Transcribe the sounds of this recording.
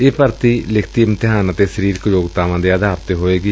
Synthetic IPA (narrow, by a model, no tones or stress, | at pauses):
eːpəɾt̪iːlɪkʰt̪iːmt̪ɪɦaːnãːt̪eːsəɾiːɾkəjoːɡt̪aːʋãːd̪eːəd̪ʱaːpt̪eɦoːeːɡiː